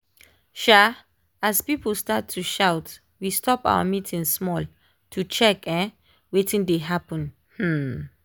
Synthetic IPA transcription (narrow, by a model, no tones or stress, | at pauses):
ʃa | aspipəl̩statʰːuʃawt | wistʰɔpa̰wə̰mitʰĩŋsmɔl | tʰut͡ʃɛkɛ̃ | wetĩŋdeɦapə̃n | hm̩